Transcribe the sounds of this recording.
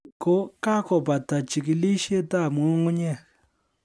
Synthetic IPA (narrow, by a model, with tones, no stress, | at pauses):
ko˦ka˦kɔ˨pa˨ta˨t͡ʃi˨ki˨li˦ʃe˦ta˦˨mu˦ŋu˦ɲa˦˨